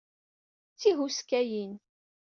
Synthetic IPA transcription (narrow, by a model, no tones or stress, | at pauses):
t͡sːiɦuskæjin